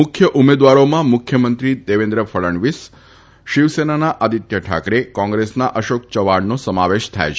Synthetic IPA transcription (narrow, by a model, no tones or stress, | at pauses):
mʊkʰjəʔumed̪ʋaɾomãmʊkʰjəmənt̪ɾid̪eʋẽnd̪ɾəfʰəɭəɳʋis | ʃiʋsenanaʔad̪it̪jəʈʰa̰kɾekɔ̃ŋɡɾesnaʔəʃokt͡ʃəʋaɽnosəmaʋeʃt̪ʰa̰jt͡ʃʰ